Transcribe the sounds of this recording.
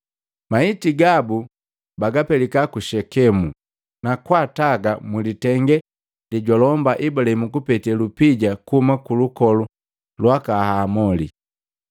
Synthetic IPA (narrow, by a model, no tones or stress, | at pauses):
maitiɡabu | baɡapɛlikakuʃɛkɛmu | nakwataɡamulitɛŋɡɛ | liɟɔlɔmbaʔibulaimukupɛtɛlupiɟakuhumakulukɔlu | lwakahamɔli